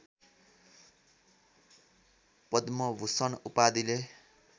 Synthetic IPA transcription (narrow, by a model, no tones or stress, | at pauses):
pʌd̪mʌbʱusʌnupad̪ile